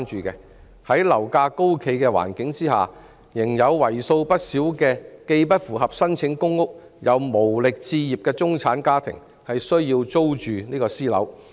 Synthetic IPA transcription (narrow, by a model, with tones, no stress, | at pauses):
nt͡ʃyː˨kɛ˧ | hɐ˨˥jlɐ˨˩wkaː˧ko˥wkʰe˧jkɛː˧wa̰ː˨˩nkɪ˨˥ŋt͡siː˥ɦa̰ː˨ | jɪ˨˩ŋjɐ˨˧wwɐ˨˩jso˧wpɐ˥t̚siː˨˥wkɛː˧ke˧jpɐ˥t̚fuː˨˩hɐ˨p̚sɐ˥nt͡sʰɪ˨˥ŋkʊ˥ŋːʊ˥k̚ | jɐ˨˧wmo˨˩wlɪ˨k̚t͡siː˧jiː˨p̚kɛː˧t͡sʊ˥ŋt͡sʰaː˨˥nkaː˥t̪ʰɪ̰˨˩ŋ | hɐ˨jsɵ˥ɥjiː˧wt͡so˥wt͡ʃyː˨niː˥kɔː˧siː˥lɐ̰˨˥w